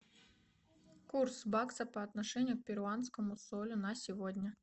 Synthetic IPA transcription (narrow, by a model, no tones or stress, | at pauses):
kursbaksəpɐːt̪nɐʂɛnʲɪjʊk̚pʲɪɾʊant̪skəmʊsolʲʊnɐsʲɪvodʲnʲə